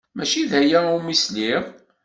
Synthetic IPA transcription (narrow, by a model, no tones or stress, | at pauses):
mæʃiðhæjæumisliʁ